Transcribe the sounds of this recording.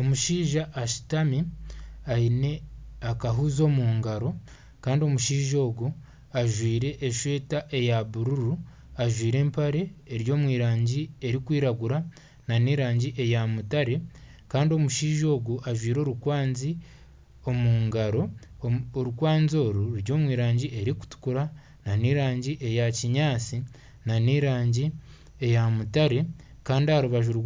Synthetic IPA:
o̞muʃiːʒaʔːʃi̥tamiaine̞akaɦuzo̞ːmuːŋɡaɾo̞ | kaːndio̞muʃiːʒo̞ːɡu | aʒwiːɾe̞ʔːʃwe̞ːtaʔe̞jaβuɾuɾu | aʒwiːɾe̞ːmpaɾe̞ːɾjo̞ːmwiːɾaːɲɟie̞ɾikwiːɾaɡuɾa | naniːɾaːɲɟiʔe̞jamutaɾe̞ | kaːndio̞muʃiːʒo̞ːɡuʔaʒwiːɾo̞ːɾukwaːnzi | o̞muːŋɡaɾo̞ | oɾukwaːnzo̞ːɾuɾuɾjo̞ːmwiːɾaːɲɟiʔe̞ɾiku̥tu̥kuɾa | naniːɾaːɲɟiʔe̞jaciɲaːt͡si | naniɾaːɲɟi | e̞jamutaɾe̞ | kaːndiahaɾuβaʒuɾ

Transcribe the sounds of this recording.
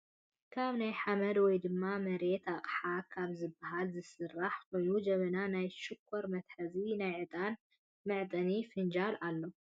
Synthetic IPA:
kʰaβnajħamɐd̪wɔjd̪ɨmːamɐɾe̞t̪aχʼħakʰaβzɨbːaɦalzɨsɨrːaħko̞jnud͡ʒɐβɐnanajʃɨkʰːoɾmɐt̪ħɐzinajʕɨt̪ʼan | mɨʕt̪ʼɐnifɨnd͡ʒalalːo̞

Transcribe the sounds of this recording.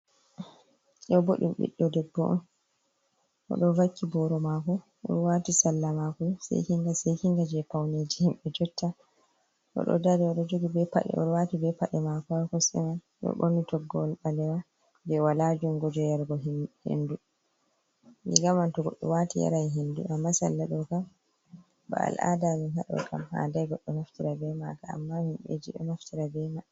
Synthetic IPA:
ɗɔboɗḭmɓḭɗːɔdɛbːɔʔn | ʔɔ̰ɗɔvakʰːibɔɾɔmakɔ | ʔɔ̰ɾwatisalːamakɔsɛ̰jkiŋɡasɛjkiŋɡad͡ʒɛpawned͡ʒihimɓɛd͡ʒɔtːa | ʔɔ̰ɗɔ̰daɾɛɔɗɔd͡ʒoɡibɛpa̰ɗɛ̰ʔɔ̰watibɛpaɗɛmakɔkɔsɛ̰man | ɓɛ̰ɓonitɔɡːɔlɓalɛwa | dɛwalad͡ʒumɡɔd͡ʒɔjaɾɡɔɦhḛndu | lḭɡamantɔɡɔɗːɔ̰watija̰ɾajɦendṵʔamːasalːaɗɔkam | ba̰a̰lʔa̰damihaɗɔ̰kʰa̰mha̰ːndajɡɔɗːɔmaftiɾabɛmakaa̰mːahimɓḛd͡ʒiɗɔ̰maftʰiɾabɛma

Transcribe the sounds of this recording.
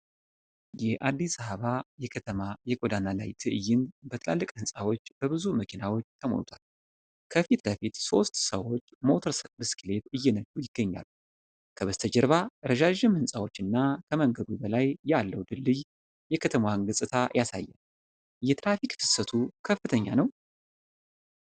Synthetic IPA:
jɛhʔad̪ːisəβəβajɛkʰət̪ʰəmajɛkʼod̪anala̰jt̪ʰɨʔɨjːɪnbət̪ʰɨla̰lːɨkʼhɨnsʼawo̞t͡ʃːbəβɨzuməkʰinawo̞t͡ʃːt̪ʰəmo̰nt̪ʰal | kʰəfit̪ləfit̪so̞st̪səwo̞t͡ʃːmo̞t̪ʰəɾsəkʼbɨskɨle̞t̪ɨjːɛnəd͡ʒujɪɡ̥ːəɲːa̰lːu | kʰəβəst̪ʰəd͡ʒəɾβaɾəʒaʒɪmhɨnsʼawo̞t͡ʃːɨnːakʰəməŋɡəd̪ubəlajːalːəwd̪ɨlːɨj | jɛkʰət̪ʰəmwanɡɨsʼɨt̪ʰajasa̰jːɛ̰n | jɛt̪ʰɾafikt̪ʰɨ̥sət̪ʰukʰəfːɨt̪ʰəɲːanəw

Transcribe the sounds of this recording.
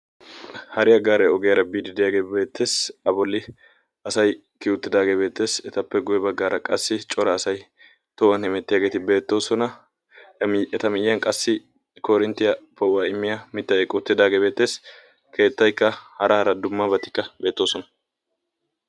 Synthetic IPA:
hɐɾɪjɐɡaːɾɛɔɡɛjɐɾɐbiːd̪ɪd̪ɪjaːɡeːbe̞ːt̪ʰːe̞ːsɐbɔlːɪ | ɐsɐj | kɪʊt̪ːɪd̪aːɡeːbe̞ːt̪ːe̞ːsɛt̪ɐpːɛɡʊjɛbɐɡːaːɾɐkʼɐsːɪt͡ʃʼɔɾɐːsɐj | t̪ɔːwɐnhɪmɛt̪ːɪjaːɡe̞ːt̪ɪbe̞ːt̪ːo̞ːsɔnɐ | mɛt̪ɐmɪjːɐnkʼɐsːɪ | kɔɾɪnt̪ːɪjɐpɐwwaːɪmːɪjɐmɪt̪ːɐɛkʼʊt̪ːɪd̪aːɡeːbe̞ːt̪ːe̞ːs | kʰe̞ːt̪ːɐjkːɐhɐɾʔɐhɐɾɐd̪ʊmːɐbɐt̪ːɪ̥kːɐbe̞ːt̪ːo̞ːsɔnɐ̥

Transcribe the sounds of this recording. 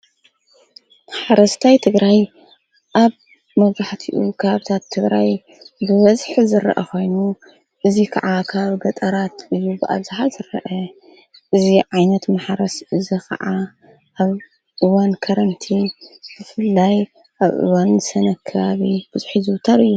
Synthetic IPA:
maħɾɐst̪ʰajt̪ʰɨɡɾaj | ʔaβ | mɐβzaħt̪ʰiʔukʰɐβaβɨt̪ʰat̪ʰːɨɡɾaj | bɨβɐzħzɨɾɐ̰ʔɐkʰʷo̞jnu | ʔɨzikʰɐʕakʰaβbɐt̪ʼɐɾat̪ʔɨjːubɨʔa̰βzaħazɨɾɐʔɐ | ʔɨziʕajnɐt̪mɐaħaɾɐsɨzɐkɐ̰ʕa | ʔaβ | ʔɨwankʰɐɾɐnt̪ʰib̥ɨfɨlːaj | ʔaβʔɨ̰wansɐnɐkʰːɐβaβib̥ɨzuħizɨwt̪ʰɐɾɨjːu

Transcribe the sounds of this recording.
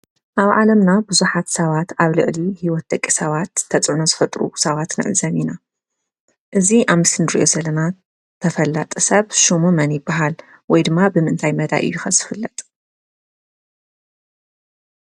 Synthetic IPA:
ʔaβʕalɐmnabɨzuħat̪sɐβat̪aβlɨ̰ʔlihiwɔt̪̚d̪ɐkʼːisɐβat̪ʰːɐt͡sʼʕunozɨfɐt̪ʼɾṵsɐβat̪nɨ̰ʕɨzɐmina | ʔɨziʔaβmɨsɨnɨɾḭʔo̞zɐlɐna | t̪ʰɐfɐlːat̪ʼɨsɐβʃumumɐnjɪbːaɦal | wɔjd̪ɨmːabɨmɨʔɨnt̪ʰajmɐd̪a̰ʔɨ̰jːujɪxɐzɨfɨlːɐt̪ʼ

